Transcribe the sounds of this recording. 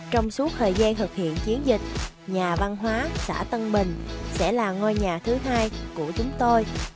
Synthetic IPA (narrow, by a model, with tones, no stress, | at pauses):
t͡ɕɔ˧wŋ͡msu˨˦˥k̚t̪ʰəː˨˩jzaː˧nt̪ʰɨ˨˩k̚hḭ˧˨ənt͡ɕi˨˦ənzï˨˩k̟̚ | ɲaː˨˩va˧nɦwaː˨˦sa̰ː˧˩t̪ə˧nɓï˨˩ŋ̟sɛ̰˧˥laː˨˩ŋo˧jɲaː˨˩t̪ʰɨ˨˦ɦaː˧jku˧˩ət͡ɕʊ˨˦ŋ͡mt̪o˧j